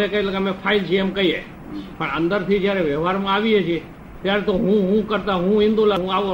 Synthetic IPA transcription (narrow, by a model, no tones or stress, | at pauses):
ekəiləɡamẽpʰaːɪlt͡ʃʰimkəiɦɛ̰ | pəɳə̰̃nd̪əɾt̪ʰid͡ʒjaɾeʋjəɦaːɾmãaːʋiɦɛt͡ʃʰi | t̪jaɾet̪oɦũɦũkəɾt̪aɦũɦɪ̃nd̪ulaɦũaʋo